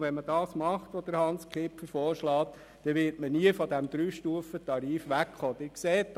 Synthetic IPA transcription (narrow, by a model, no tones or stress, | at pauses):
ʋɛnməd̥ɑːsmɑχt̪ʋod̥̪əɾhɑnskʰlɪpfəɾfoːɾʃlɑːt̪ | d̥̪ɛʋɪːɾtməniəfɔd̪æmd̪̥ɾyːʃtuːəfət̪ɑɾiːfʋækχoːd̪̥ɪɾkseːtː